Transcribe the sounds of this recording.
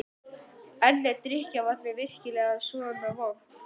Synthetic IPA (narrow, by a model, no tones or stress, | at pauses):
ɛllːɛt̪ɾɪhcavaɾvɪðvɪr̥cɪlɛːɣaðsɔʏnavaw